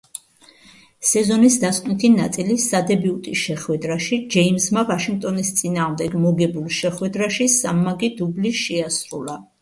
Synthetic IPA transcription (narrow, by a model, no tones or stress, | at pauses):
sɛzɔnisd̪askʼnit̪ʰinat̪sʼilisad̪ɛbiut̪ʼiʃɛχwɛd̪ɾaʃid͡ʒɛimsmavaʃiŋɡ̚t̪ʼɔnist̪sʼinaːʁmd̪ɛɡmɔɡɛbulˠʃɛχwɛd̪ɾaʃisamːaɡid̪ubliʃɛasɾula